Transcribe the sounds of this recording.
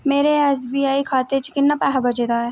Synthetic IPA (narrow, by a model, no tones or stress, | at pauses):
meːɾeɛːs̬biːaːikʰaːt̪et͡ʃkɪnːapɛːɦabɐd͡ʒeːd̪aːɦɛː